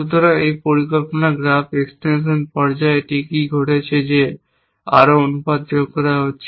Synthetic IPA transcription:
ut̪oɾaejpoɾikolponaɡɾafeksʈenʃ̬onpɔɾd͡ʑaeʈikiɡʱoʈet͡ɕʰed͡ʑe | a̰ɾoonupad̪̚d͡ʑoɡkɔɾaɦotːɕʰe

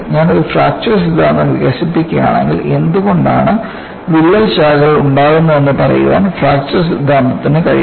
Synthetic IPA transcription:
ɲaːnoɾufraːk̚t͡ɕɐrs̬id̪ʱːaːnd̪ɐmʋḭɣɐɕipːikʲːɐja̰ːɳe̞̰ŋɡile̞nd̪uɣo̞ɳɖa̰ːɳɨ | ʋilːɐlɕaːɣɐɭuɳɖaːɣunːɐe̞nːɨpɐrɐ̰jṵʋa̰ːnfraːk̚t͡ɕɐrsid̪ʱːaːnd̪ɐt̪ːinɨkɐɻḭ

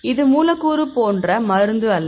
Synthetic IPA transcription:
ɪðɯmuːlɐkːuːɾɯpoːndrɐmɐɾɯnd̪ɯɐlː

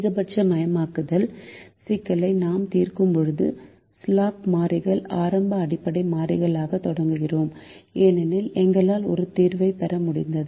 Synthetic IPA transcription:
ɣɐbɐʈ̚t͡ʃɐmɐjɐmaːkɯðɐlsɪkːɐlɐɪnaːmt̪iːrkɯmpɔɻɯðɯ̰ | slaːkmaːɾɪɣɐɭaːɾɐmbɐːɽɪpːɐɽɐɪmaːrɪɣɐɭaːɣɐt̪ːɔɽɐŋɡɯɣɪroːmeːnɛnɪlɛŋɡɐɭaːlɔɾɯt̪iːɾʋɐɪpɛɾɐmʊɽɪ̰nd̪ɐðɯ

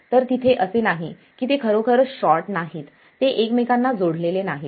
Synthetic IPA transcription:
t̪əɾt̪it̪ʰeʔəsenaɦi | kiːt̪ekʰəɾokʰəɾɕɔɾʈnaɦiːt̪ːeʔekmekanːad͡zoɽlelenaɦi

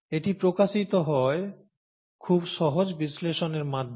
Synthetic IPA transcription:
eʈipɾokaʃit̪oɦɔe | kʰubʃɔɦod͡ʑbisleʃoneɾmad̪ʱ

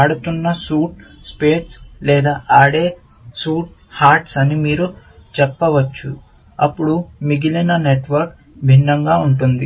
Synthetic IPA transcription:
aːɽut̪unːɐsuːʈ̚ | speːʈslɛːd̪aːʔaːɽeː | suːʈ̚haːɾʈsɐnimiːɾu | t͡ʃɛpːɐʋɐt͡ʃːu | ɐpːuɽumiɡilɐnɐneʈʋɐɾk | bʱinːɐŋɡaːuɳʈund̪i

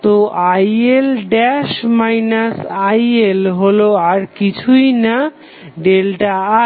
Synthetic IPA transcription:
t̪oajelɖɛʃmajnasajelɦoloaɾkit͡ɕʰujna | ɖelʈaa

